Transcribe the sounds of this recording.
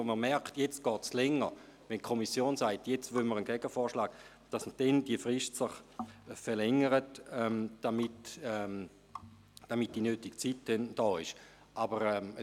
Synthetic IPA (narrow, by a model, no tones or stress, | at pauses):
oməmɛʁktjet͡st̚ɡ̥ɔːtslɛŋə | ʋɛnkʰomisjoːnsaɪtjet͡stʋøməʁənɡɛɡ̥əfɔːʃlaːɡ̥ | d̥asməd̥ɛndiəfʁɪʃtsəχfɛʁlɛŋəʁətɛmd̥amitɛm | d̥amit̚d̥inøːtiɡ̥t͡sitd̥ɛnd̥ɔːɪʃ | ʔabəʁɛə